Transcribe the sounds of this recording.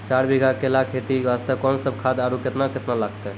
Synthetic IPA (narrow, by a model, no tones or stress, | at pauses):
t͡ʃaɾbiɡʱakelakʰet̪ibast̪əkɔnsəb̚kʰad̪aɾuket̪naket̪nalaɡt̪ɛ